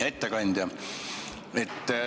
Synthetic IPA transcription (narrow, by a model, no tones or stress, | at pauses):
et̪ːekɑnʲd̪̥jɑ | et̪ːˑ